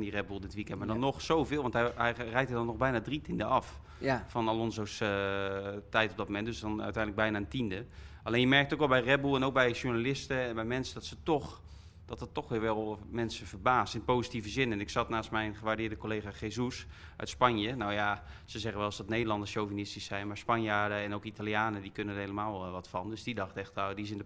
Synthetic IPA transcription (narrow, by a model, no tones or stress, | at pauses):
ndirɛbulˠdɪtʋikɛntmaɹdɔnːɔχsowvɪːlˠʋɑntɦɛɛjrɛjk̚tədɔnːɔxbɛjnadritindəɑf | fɔnalɔnzosə | tɛjtɔb̚dɔt̚momɛndøsdɔnœ̰ɥtɛjnələɡ̚bɛjnaəntindəaleːnjəmɛrk̚tokʋɛlˠbɛjrɛbulˠɛnowk̚bɛjʃuɹnalɪstəɛnbɛjmɛnsədɔtsətɔx | d̥ɔtdɔtːɔxʋɪːɹʋɛlˠmɛnsəvərbaːstɪnpoːzitivəzɪnɛnɪksɑtnaːstmɛjnχəʋardɪːɹdəkoleːxaːχezus | ʔœ̰ɥtspanjənawjasəzɛχənʋɛlˠɔsdɔtneːdəlɑndəsʃjowvinɪstisɛjnmaːɹspɑnjaːdəɛnowkitalˠjaːnədikønənəhɦejləmaːlˠʋɔtfɑndøsdidɑxtɛxtawdiɪs̬ɪndə